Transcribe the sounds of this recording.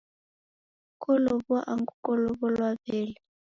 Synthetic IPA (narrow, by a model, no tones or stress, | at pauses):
kʼɔlɔβɔʔaŋɡukʼɔlɔβɔlwaβɛːlɛ